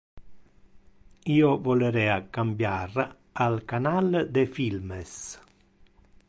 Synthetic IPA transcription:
iːovɔleɾɛakambjaɾ | alkanald̪efilməs

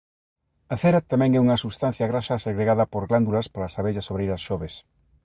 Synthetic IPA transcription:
aθeɾat̪amɛ̃ŋɛuŋɐsust̪an̟θjaɣɾaʃaseɣɾeɣaðɐpoɾɣland̪ulɐspalasaβeʎɐsoβɾeijɾɐsʃɔβes

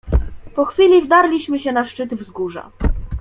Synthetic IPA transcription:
pɔxfʲilʲivd̪aɾlʲiɕmɘɕɛnaʂt͡ʂɘt̪vzɡuʐa̰

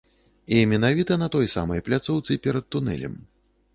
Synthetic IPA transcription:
imʲɛnavʲit̪ɐnɐt̪ɔjsa̰mɐjplʲat̪sɔwt̪sɨpʲɛɾɐt̪̚ːunɛ̰lʲɛ̰m

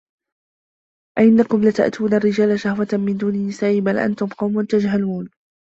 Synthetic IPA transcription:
ʔaʔɪnːakʊmlat̪a̰ʔt̪ʰuːnarːɪd͡ʒaːlaʃahwat̪mɪnd̪uːnɪnːɪsaːʔɪbalʔa̰nt̪ʊmqɑwmʊnt̪ad͡ʒɦaluːn

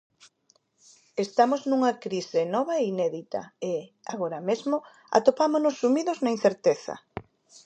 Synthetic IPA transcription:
est̪amoznũŋɐkɾisɪnɔβaeinɛðit̪ɐ̰e | aɣoɾɐmezmo | a̰t̪opamonʊsːumiðʊznaĩn̟θeɾt̪eθɐ̰

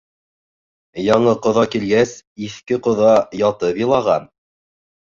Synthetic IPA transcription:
jɑɴɤqŏðɑkilɡæsiθkɘqŏðɑjɑt̪ɤpjɤ̆lˠɑʁɑn

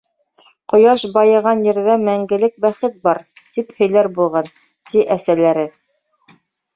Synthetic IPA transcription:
qŏjɑʃbɑjɤ̆ʁɑnjɘ̆ɾðæmæŋɡɘ̆lɘk̚bæχɘt̪̚bɑɾt̪iphɵ̆jlæɾbulˠʁɑn | t̪iʔæsælæɾɘ

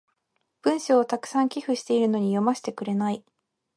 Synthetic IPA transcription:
b̥ɯ̟̃ɰ̃ɕoːt̪akɯ̟̥sãŋkʲiɸɯ̟ɕi̥t̪e̞iɾɯ̟no̞ɲ̟ijo̞maɕi̥t̪e̞kɯ̟ɾe̞nai

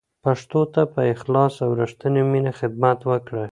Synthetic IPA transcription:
paʂt̪ot̪apəɪxlɑsawɾəʂt̪əneminaxɪd̪mat̪wəkɽə

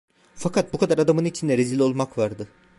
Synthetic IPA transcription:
fakʰat̪̚bukʰad̪aɾad̪amɯnit͡ʃʰind̪ɛɾezilʲo̞lˠmakvaɾd̪ɯ

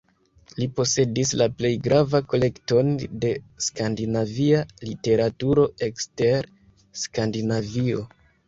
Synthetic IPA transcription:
lipo̞se̞dislaple̞jɡɾavako̞le̞kto̞nde̞skandinavialite̞ɾatuɾo̞e̞kste̞ɾ | skandinavio̞

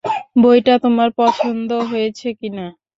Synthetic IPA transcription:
bojʈat̪omaɾpɔt͡ɕʰond̪oɦojet͡ɕʰekina

